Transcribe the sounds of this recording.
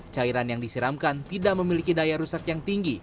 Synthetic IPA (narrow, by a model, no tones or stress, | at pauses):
t͡ʃaiɾanjaŋdisiɾamkant̪idaʔməmilikidajaɾusakjaŋt̪iŋɡi